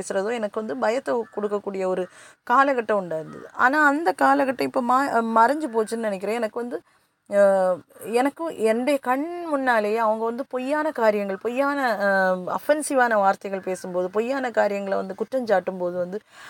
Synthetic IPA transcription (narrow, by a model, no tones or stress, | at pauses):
eːsɯɾɐðoːɛnɐkːɯʋɐnd̪ɯbɐjɐt̪ːɐkːɔɽɯkːɐkːuːɽɪjɐɔɾɯkaːlɐɣɐʈːɐ̃ʊɳɖaːɾɯnd̪ɐ̰ðɯ̰ʔa̰ːnaːɐnd̪ɐkaːlɐɣɐʈːɐ̃ɪpːoːmaːmɐɾɐɲd͡ʒɯp̬oːt͡ʃːɯnɯnɪnɛk̬ʲːɪɾɐ̃ːɛnɐkːɯʋɐnd̪ɯ | ɛnɐkːɯɛnbekɐɳmʊnːaːleːɐʋɐŋɡɐʋɐnd̪ɯpɔjːaːnɐkaːɾɪjɐŋɡɐɭpɔjːaːnɐɐfɛnsɪʋaːnɐʋaːɾt̪ɐɣɐɭpeːsɯmpoːðɯpɔjːaːnɐkaːɾɪjɐŋɡɐɭʋɐ̰nd̪ɯkʊʈrɐɲt͡ʃaːʈːɯmpoːðɯʋɐnd̪ɯ